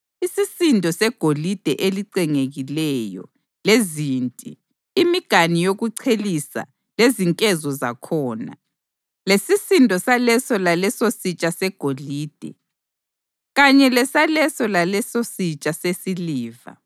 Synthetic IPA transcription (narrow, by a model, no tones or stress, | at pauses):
isisindʱɔsɛɡ̥ʱolid̥ʱɛʔeliǀɛŋeɣilɛjɔ̰ | lezintʼḭː | miɡ̥ʱanijoɣuǀʰelisa̰ | leziŋkʼɛzɔza̰kʰɔːna̰ | lesisindʱɔsalɛsɔlalɛsosit͡ʃʼasɛɡ̥ʱoliːd̥ʱɛ̰ | ɣaɲɛlɛsalɛsɔlalɛsosit͡ʃʼasesiliːva̰